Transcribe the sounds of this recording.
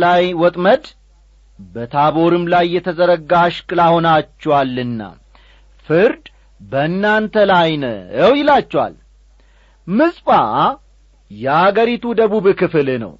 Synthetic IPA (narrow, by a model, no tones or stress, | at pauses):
lajwɔt̪ʼməd̪ | bət̪ʰaβo̞ɾɨmlajːɛt̪ʰəzəɾəɡaʃkʼɨlaho̞nat͡ʃːɛwalːɨnːa̰ | fɨɾd̪ | bəɨnːant̪ʰəlajnəəwjɪlat͡ʃːɛwa̰l | mɨsʼpʼa | jɛaɡəɾit̪ʰud̪əβuβkɨfɨlnə̰w